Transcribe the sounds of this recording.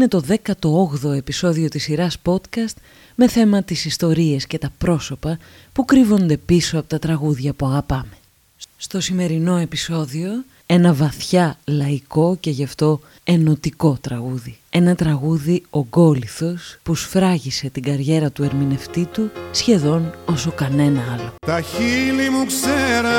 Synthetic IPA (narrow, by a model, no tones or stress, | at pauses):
ine̞t̪o̞ðe̞kɐt̪o̞oɣðo̞e̞piso̞ðiot̪isiɾɐspo̞t̪kɐst̪ | me̞θe̞mɐt̪isist̪o̞ɾie̞sce̞t̪ɐpɾo̞so̞pɐ | pukɾivo̞nd̪e̞piso̞ɐpo̞t̪ɐt̪ɾɐɣuðʝɐpuɐɣɐpɐme̞̥ | sst̪o̞sime̞ɾino̞e̞piso̞ðio̞ | e̞nɐvɐθçɐlɐiko̞ce̞ʝɐft̪o̞ | e̞no̞t̪iko̞t̪ɾɐɣuðie̞nɐt̪ɾɐɣuðio̞ɡo̞liθo̞spusfɾɐʝise̞t̪iɡɐɾʝe̞ɾɐt̪ue̞ɾmine̞ft̪it̪usçe̞ðo̞no̞so̞kɐne̞nɐɐlo̞t̪ɐçilimukseɾɐ